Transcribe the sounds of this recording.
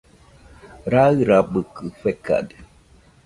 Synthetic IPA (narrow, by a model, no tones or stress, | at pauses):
ɾaɣɨɾaɓəkɨfɛka̰d